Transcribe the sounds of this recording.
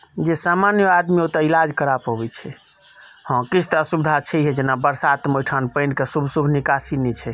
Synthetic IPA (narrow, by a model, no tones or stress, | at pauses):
d͡ʒesamanjəad̪miot̪əilad͡ʒkəɾapɦobɛt͡ʃʰɛ | hɔ̃kit͡ʃʰt̪əsubd̪ʱat͡ʃʰɛɦɛd͡ʒenabəɾsat̪məjʈʰanpəjnkesubʱsubʱnikasinɛt͡ʃʰɛ